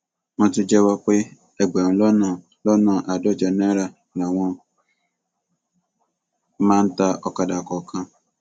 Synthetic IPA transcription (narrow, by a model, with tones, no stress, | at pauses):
ŋɔ̃˦tʊ˦d͡ʒɛ˦wa˦k͡pɪ˦ | e˨ɡ͡be˨n˨lɔ˦na˨ | lɔ˦nã˨ʔa˨dɔ˦˨d͡ʒa˨ne˦ɾa˨ | na˨wɔ̃˦ | mã˦n̩˦ta˦ɔ˦ka˨da˨kɔ˨kʰã˦